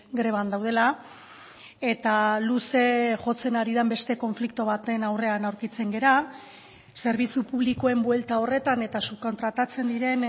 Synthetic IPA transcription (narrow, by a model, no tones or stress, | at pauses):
ɡɾe̞β̞and̪awð̞e̞la | e̞t̪aluse̞xo̞t͡se̞naɾiðambe̞st̪e̞ko̞ɱflikt̪oβ̞at̪e̞nawre̞anawɾkit͡se̞ŋɡe̞ɾa | se̞ɾβit͡supuβ̞likoe̞mbwe̞lt̪ao̞re̞t̪ane̞t̪asuko̞nt̪ɾat̪at͡se̞nd̪iɾe̞n